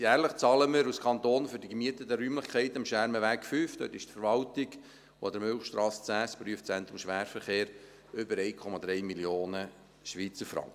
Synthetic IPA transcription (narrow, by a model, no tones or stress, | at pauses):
jæːɾləχt͡sɑːləməɾuskʰɑnt̪oːnfʏɾdiɡəmiət̪ətəɾyːmləχkʰɛɪt̪əmʃæːɾməʋæːkfyːft̪ø̰ːtɪʃtfəɾʋɑltɪɡ | oɑd̪əɾmʏlχʃtɾɑːst͡sæːspryəftt͡sɛnt̪ɾʊmʃʋæːɾfəɾχeːɾ | ʏbəɾɛɪkʰɔmɑd̪ɾɛɪmiljoːnə | ʃʋiːt͡səɾfɾɑ̰ŋkə